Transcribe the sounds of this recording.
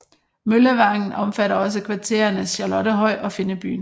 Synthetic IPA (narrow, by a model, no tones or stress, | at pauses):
møləʋɑ̈ŋn̩ɒ̽mfæɾɐɒ̽s̬əkʰʋɑ̈t͡sʰe̝̰ːɐɐnəsɕɑlɒ̽ɾəɦɒ̽ɪ̰ʔɒ̽fe̝nəb̥y̰ːn